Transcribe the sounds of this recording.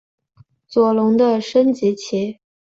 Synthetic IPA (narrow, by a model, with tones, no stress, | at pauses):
t͡swɔ˨˩lʊ˧˥ŋd̪ə˧ʂə˥nt͡ɕi˧˥t͡ɕʰi˧˥